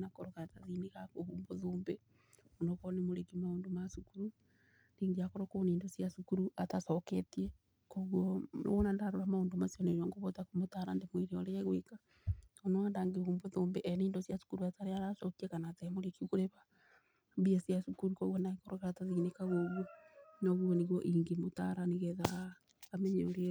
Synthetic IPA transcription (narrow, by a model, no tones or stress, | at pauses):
nakoɾokeɾataðinekakoβuːmboðoːmbe | onokonemoɾekimaoːndomasukuɾu | ndiŋɡiakoɾokoniːndosjasukuɾuatasoketie | koɣwoo̰onandaɾoɾamaoːndomasjonejoŋɡoβotakomotaːɾandemweɾeoɾeeɣweka | onoandaŋɡeomboðoːmbeʔɛneiːndɔsjasu̥kuɾuataɾeaɾasɔkiɛkanatɛmoɾekiukoɾeβa | mbiasiasukuɾukɔɣwɔnaɣekoɾokeɾataðiinekaɣoɣwɔnɔɣwɔneɣwɔʔiŋɡemotaɾaniɣɛðaː | mɛɲeoɾe